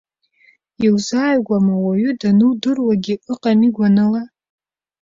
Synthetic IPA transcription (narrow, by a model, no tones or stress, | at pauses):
iwzaːjɡʷamawaɥʏdanɨwdɨrwaɡʲiʔɨqʼamiɡʷanɨla